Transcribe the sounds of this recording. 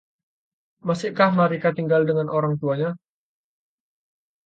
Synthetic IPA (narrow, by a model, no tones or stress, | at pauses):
masɪkahmaɾikat̪iŋɡaldəŋanʔoɾaŋt̪uaɲa